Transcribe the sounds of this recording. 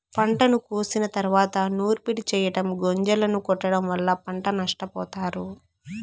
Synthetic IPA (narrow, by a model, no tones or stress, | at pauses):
pɐɳʈɐnukuːsinɐt̪ɐɾuʋaːt̪ɐnuːɾpiʈit͡ʃɛːjɐɽɐmɡoɲd͡ʒɐlɐnukɔʈːɐɽɐmʋɐlːɐpɐɳʈɐnɐʂʈɐpɔ̰ːt̪aːɾu